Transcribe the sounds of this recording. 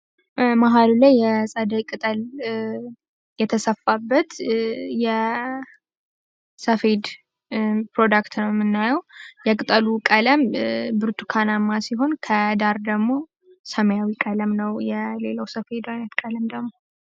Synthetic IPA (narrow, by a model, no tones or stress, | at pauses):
maɦalulajːɛsʼəd̪əjkʼɨt̪ʼəl | jɛt̪ʰəsəfːabːət̪jɛ | səfed̪ | pɾo̞d̪akt̪nəwjmːɨnːajəwjɛkʼɨt̪ʼəlukʼələmbɨɾt̪ʰukʰanamːasiɦo̞nkʰəd̪aɾd̪əɡmo̞ | səməjawikʼələmnəwjɛle̞ləwsəfed̪ajnət̪kʼələmd̪əɡmo̞